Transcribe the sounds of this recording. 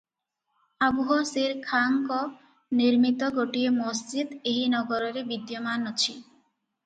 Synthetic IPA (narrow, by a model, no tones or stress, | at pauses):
abuɦɔsiɾkʰaŋkɔ | niɾmit̪ɔɡoʈiemosd͡ʒid̪eɦinɔɡɔɾɔɾebid̪jɔmanɔt͡ʃʰi